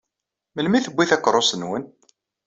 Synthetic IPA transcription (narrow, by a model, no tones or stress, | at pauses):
məlmiθəbʷːiθækːəɾˤosənwən